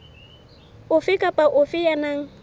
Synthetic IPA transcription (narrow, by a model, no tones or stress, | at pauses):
ʊfikapaʔʊfijanaŋ